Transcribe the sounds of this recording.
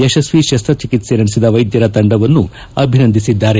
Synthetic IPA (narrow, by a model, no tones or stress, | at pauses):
ɐʃɐsʋiʃɐst̪ɾɐt͡ʃikit̪seːɾɐɽisid̪ɐʋɐjd̪jɐɾɐt̪ɐɳɖɐʋɐnːu | ɐbʱinɐnd̪ʱisid̪ːaːɾe